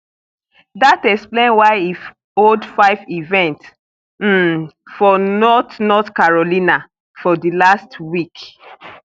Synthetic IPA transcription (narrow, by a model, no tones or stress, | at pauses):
datɛksplẽnwaɪif | oldfaɪvivɛ̃nts | m̩fɔnɔtnɔtkaɹɔlĩna | fɔdilastwik